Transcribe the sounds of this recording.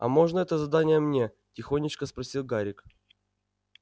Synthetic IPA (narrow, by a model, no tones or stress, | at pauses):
ɐ̰mo̞ʐnəɛt̪əzɐd̪anʲɪjəmnʲe | tʲɪxonʲːɪt͡ɕkəspɾɐsʲilˠɡaɾʲɪk